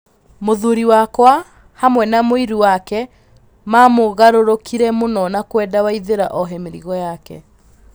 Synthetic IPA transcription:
moðuɾiwakwa | hamwɛnamoiɾuwakɛ | mamoɣaɾoɾokiɾɛmonɔnakwɛdawaiðeɾa̰ʔɔɦɛmeɾḭɣɔjakɛ̰

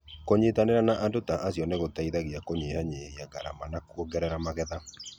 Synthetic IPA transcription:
koɲetaneɾanaʔandotaʔasjɔneɣotaiðaɣiakoɲehaɲehiaɡaɾa̰manakwɔɡɛɾɛɾamaɣɛða

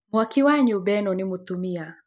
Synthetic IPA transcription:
mwakɪwaɲʊbɛnɔnɪmʊt̪umia

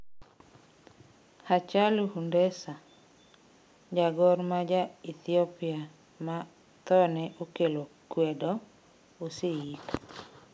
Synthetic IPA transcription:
hat͡ʃaluhundɛsa | d͡ʒaɡɔrmad͡ʒait̪iɔpia | ma | t̪ɔnɛʔokelokwɛdɔ | oseik

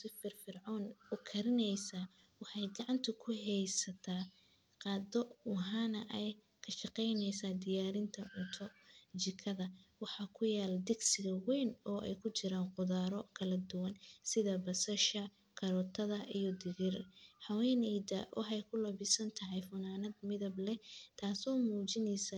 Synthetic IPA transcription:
sɪfɪrfɪrʕɔːnʊkʰɐɾɪnɛjsaː | wɑħɑjɡɑʕɑnt̪ʰʊkʰʊɦɛjsɐt̪ʰaː | qɑːd̪ɔwɑɦanɐʔɛj | kʰɐʃɑqɛjnɛjsaːd̪ɪjaːɾɪnt̪ʰɐʕʊnt̪ʰɔt͡ʃɪkʰɐðɐwɑħɑkʰʊjaːld̪ɪɡsɪɣɐwɛjnɔːʔɛ̰jkʰʊt͡ʃɪɾaːnqʊðaːɾɔkʰɐlɐd̪ʊwɐnsɪðɐbɐsɐʃɐ | kʰɐɾɔːt̪ʰɐðɐʔijɔd̪ɪɣɪrħɐwɛːnɛjd̪ɐ̰ʔɔ̰ɦɛjkʰʊlɐβɪsɐnt̪ʰɐɦɛjfʊnaːnɐd̪mɪðɐblɛt̪ʰaːsɔːmuːt͡ʃɪnɛjsɐ

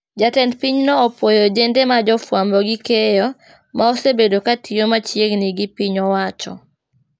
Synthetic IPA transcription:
d͡ʒatɛndpiɲnɔːpwojod͡ʒendemad͡ʒɔfwambɔɡikejɔ | maosebedokatʰiomat͡ʃjeɡniɡipiɲɔwat͡ʃɔ̰

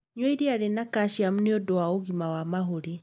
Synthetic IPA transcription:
ɲwɛiɾiaɾenakaʃiamuneɔdoaoɣimawamaɦoɾe

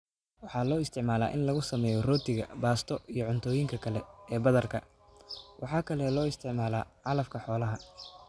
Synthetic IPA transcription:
wɑħɑːlɔːɪst̪ʰɪʕmaːla̰ːʔɪnlɐɣʊsɐmɛːjɔrɔːt̪ʰɪɣɐ̰baːst̪ʰɔʔijɔʕʊnt̪ʰɔːjɪŋkʰɐkʰɐlɛɛːbɐðɐrkʰɐ | wʔɑħɑːkʰɐlɛlɔːɪst̪ʰɪʕmaːla̰ːʕɑlɐfkʰɐħɔːlɐɦɐ

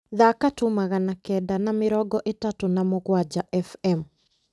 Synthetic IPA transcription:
ðakatumaɣanakɛdanamɪɾɔɡɔʔetatonamoɣwad͡ʒaʔɛfɛm

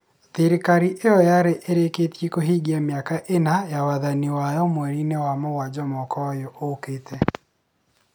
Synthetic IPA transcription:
ðiɾikaɾiʔejɔjaɾeʔeɾeketjekoɦiɡiamjakaʔenajawaðaniwajɔmwɛɾinewamowad͡ʒɔmɔkɔjɔʔoketʰɛ

